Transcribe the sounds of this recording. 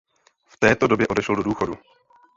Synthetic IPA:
ft̪ɛːt̪o̞do̞bjɛʔo̞dɛʃɛldo̞duːxo̞du

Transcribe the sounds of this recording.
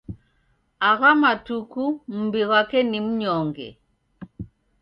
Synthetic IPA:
aɣamatukum̩biɣakɛnim̩ɲɔŋɡɛ̰

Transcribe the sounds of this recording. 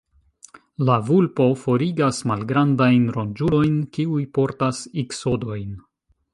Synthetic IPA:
lavulpo̞fo̞ɾiɡasmalɡɾandajnɾond͡ʒulo̞jnkiujpo̞ɾtasikso̞do̞jn

